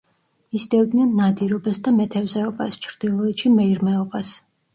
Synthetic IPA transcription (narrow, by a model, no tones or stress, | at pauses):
misd̪ɛvd̪nianːad̪iɾɔbasd̪amɛt̪ʰɛvzɛɔbast͡ʃʰɾd̪̥ilˠɔɛt̪ʃimɛiɾmɛɔbas